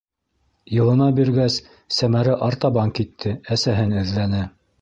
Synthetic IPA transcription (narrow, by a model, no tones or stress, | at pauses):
jɤ̆lˠɤ̆nɑbiɾɡæsː | æmæɾɘʔɑɾt̪ɑbɑŋkit̪ʰːɘæsæɦɘnɵ̆ðlænɘ